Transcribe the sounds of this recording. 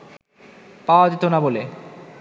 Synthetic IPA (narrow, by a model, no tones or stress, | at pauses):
paoad͡ʑet̪onabole